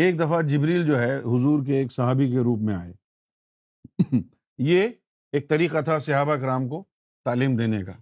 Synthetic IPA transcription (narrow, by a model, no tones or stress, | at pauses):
eːk̚d̪ɐfad͡ʒɪbɾiːld͡ʒoːɦɛɦʊzuːɾk̬eːksɐɦaːbik̬eɾuːp̬mẽa̰ːeː | je | eːk̚t̪ɐɾiːqat̪ʰasɪɦaːbakɾaːmko | t̪aːliːmd̪eːneka̰ː